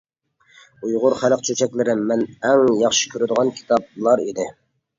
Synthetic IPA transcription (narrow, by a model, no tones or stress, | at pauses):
ujʁʊɾχælˠəqt͡ʃʰøt͡ʃʰɛkʲlɪɾɪmːɛnɛŋjɑχʃɪ̥kʲʰøɾɪd̪ɨʁɑnkʲʰi̥t̪ʰɑb̚lˠɑɾid̪ɪ